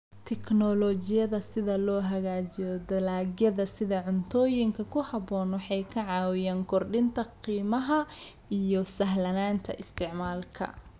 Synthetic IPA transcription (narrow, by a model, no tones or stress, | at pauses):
t̪ʰɛknɔlɔt͡ʃɪjɐðɐsɪðɐlɔːɦɐɣaːt͡ʃɪjɔd̪ɐlaːɡjɐðɐsɪðɐʕʊnt̪ʰɔːjɪŋkʰɐkʰʊhɐβɔːnwɑħɑjkʰɐʕɑːwɪjaːŋkʰɔrɖɪnt̪ʰɐqiːmɐɦɐ | ʔijɔsɐɦlɐnaːnt̪ʰɐ̰ʔɪst̪ʰɪʕmaːlkʰɐ̰